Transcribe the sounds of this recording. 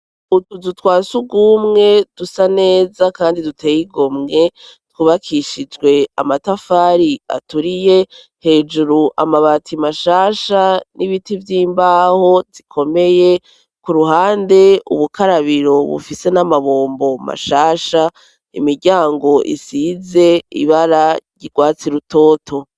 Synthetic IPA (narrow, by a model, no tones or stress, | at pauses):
utuzutwaːsuɡumŋe̞d̥usane̞ːzakaːndidutʰe̞ːjiɡo̞mŋe̞twuβakʰiʃid͡ʒɡwe̞a̰matafaːɾia̰tuɾije̞ | he̞ːd͡ʒuɾuʔa̰maβatʰimaʃaːʃanʔiβitivjiːmbaːho̞zikʰo̞me̞je̞ | kuɾuɦaːnde̞ṵβukʰaɾaβiɾo̞βṵfise̞namaβoːmbo̞ma̰ʃaːʃa | ḭmiɾɟaːŋɡo̞ʔḭsiːze̞ḭβaɾaɟiɡ̥waːt͡siɾuto̞ːtʰo̞